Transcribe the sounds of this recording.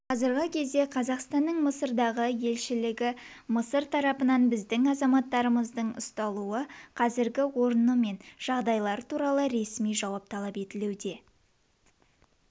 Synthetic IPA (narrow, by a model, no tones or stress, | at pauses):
qʰɑzəɾʁəkʲʰe̞zd̪e̞qʰɑzɑqst̪ɑnːəɴməsəɾd̪ɑʁəje̞lʃɪlɪɡʲɪ | məsəɾt̪ʰɑɾɑpənɑnbɪzd̪ɪŋɑzɑmɑt̪ːɑɾəməzd̪əɴʊ̰st̪ɑlˠuəqʰɑzɪɾɡʲɪwo̞ɾnəme̞nʒ̥ɑʁd̪ɑjlˠɑɾət̪ʰuɾɑlˠəɾe̞smijʒɑwɑp̚t̪ʰɑlˠɑpe̞t̪ɪlewd̪e̞